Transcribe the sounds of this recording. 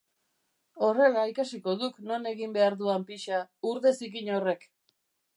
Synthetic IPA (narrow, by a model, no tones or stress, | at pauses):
o̞re̞laikasiko̞ðukno̞ne̞ɣimbe̞aɾðuampiʃauɾðe̞sikiɲo̞re̞k